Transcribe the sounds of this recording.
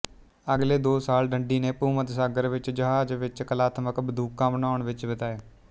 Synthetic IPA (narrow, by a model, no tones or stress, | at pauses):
əɡleːd̪oːsaːlɖəɳɖiːneːpuːmət̪saːɡəɾʋɪt͡ʃd͡ʒəɦaːd͡ʒʋɪt͡ʃkəlaːt̪ʰəməkbəd̪ʱuːkːãːmənaːɳʋɪt͡ʃbət̪aːeː